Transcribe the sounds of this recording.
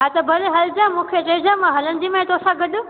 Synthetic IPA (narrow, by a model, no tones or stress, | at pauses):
ɦat̪ɐbʱɐlɦɐld͡ʒãmũːkʰet͡ʃɐid͡ʒãmãɦɐlənd̪imãt̪osaɡəɗu